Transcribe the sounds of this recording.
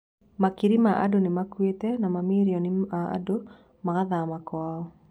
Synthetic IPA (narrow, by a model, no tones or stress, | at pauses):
makiɾimaʔa̰donɪmakwetenamamiɾjɔnɪaa̰do | makaðamakwaɔ